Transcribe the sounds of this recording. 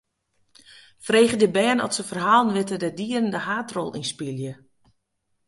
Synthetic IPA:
freːxədəbɛːnɔ̰tsəfərɦaːlˠnʋɪtədədiərəndəhaːtrɔlˠḭnspilˠjə

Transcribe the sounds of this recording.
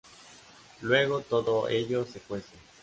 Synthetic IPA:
lweɣot̪oðoʔeʎosekwese

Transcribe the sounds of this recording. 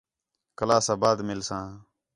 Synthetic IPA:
kəlaːsaːbaːd̪mɪlsãː

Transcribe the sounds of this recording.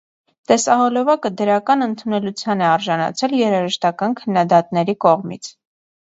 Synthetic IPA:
t̪ɛsɑɦɔlɔvɑkəd̪əɾɑkɑnənt̪ʰunɛlut͡sʰjɑnɛɑɾʒɑnɑ̰t͡sʰɛljɛɾɑʒəʃt̪ɑkɑnkʰənːɑd̪ɑt̪nɛɾikɔʁmit͡sʰ

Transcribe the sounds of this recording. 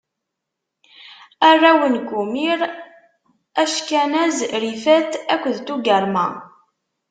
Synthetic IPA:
ærˤːæwənkumiɾ | æʃkænæzɾifæθækʷːəðt̪uɡəɾˤmæ̰

